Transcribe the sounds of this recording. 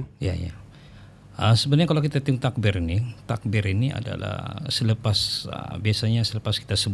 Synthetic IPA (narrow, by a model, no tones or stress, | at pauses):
ja̰ja̰ | ʔəsəbənaɲakalawkit̪at̪iʊŋt̪ak̚bɪɾinit̪ak̚bɪɾinia̰da̰la̰hsələpasə̰biasaɲasələpaski̥t̪asəb